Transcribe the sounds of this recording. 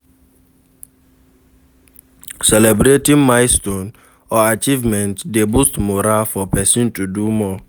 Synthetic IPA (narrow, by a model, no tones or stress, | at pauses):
sɛlɛbɾetĩnmaɪstõn | ɔat͡ʃivmɛ̃ntdebustmoɾafɔpɛsĩntudumɔ